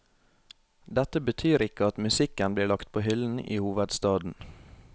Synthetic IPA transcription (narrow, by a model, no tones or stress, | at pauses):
d̪ɛt̪əbət̪ʰyːɾɪkəɑt̪mʉsɪkənbliːɭɑkt̪̚pʰoːhʏln̩ḭːhuːʋəd̪st̪ɑːd̪n̩